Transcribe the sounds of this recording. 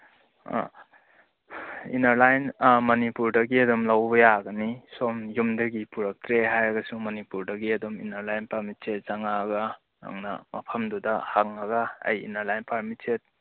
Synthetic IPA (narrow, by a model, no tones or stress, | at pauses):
ḭnɐɾlajnmɐnipuɾdɐɡiɐdɔmlawbɐjaɡɐnisomjumdɐɡipuɾɐk̚t̪ʰɾeɦajɐɡɐsumɐnipuɾdɐɡiɐdɔmḭnɐɾlajnpaɾmit͡ʃet̚zaŋaɡa | na̰ŋna̰mɐ̰pʰɐmdudahaŋaɡa̰ːjḭnɐɾlajnpaɾmitt͡ʃet̚